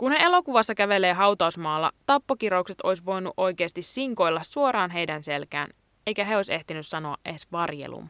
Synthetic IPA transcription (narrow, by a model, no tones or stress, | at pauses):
kunhee̞lo̞kuʋɑsːɑkæʋe̞le̞ːɦɑwt̪ɑusmɑːlːɑ̰t̪ɑpːokiɾoukset̪o̞jsʋo̞jnṵʔo̞jke̞ːst̪isːiŋko̞jlːɑsːuo̞ɾɑːnɦe̞jdænse̞lkæ̰ːn | ejkæɦe̞o̞jse̞ht̪inyssɑno̞ɑ̰ʔʔesʋɑrjḛlṵm